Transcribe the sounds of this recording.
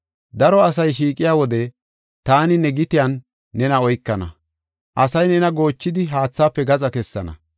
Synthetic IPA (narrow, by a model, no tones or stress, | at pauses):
d̪ɐɾɔɐsɐjʃiːkʼɪjaːwɔd̪ɛ | t̪aːnɪnɛɡɪt̪ɪjanː | ɛnɐɔjkːɐnɐ̰ | ʔɐsɐjnɛnɐɡo̞ːt͡ʃːɪd̪ɪɦaːt͡sːaːpːɛɡɐt͡sʼɐkɛsːɐ̰nɐ̰